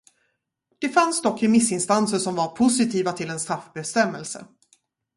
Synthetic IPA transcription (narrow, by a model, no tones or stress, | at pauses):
d̪̥ɛfansd̪ɔkːɪmɪsːɪnst̪ansəʂɔmvaɾpʰʊsɪt̪ʰiːvat̪ʰɪlɛnst̪ɾafbɛst̪ɛmːɛlsə̰